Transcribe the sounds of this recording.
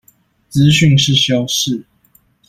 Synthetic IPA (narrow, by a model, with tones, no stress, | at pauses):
t͡sɹ̩˦ɕy˥˨ŋʂɻ̩˥˨ɕjɑ˦˥ʊʂɻ̩˥˨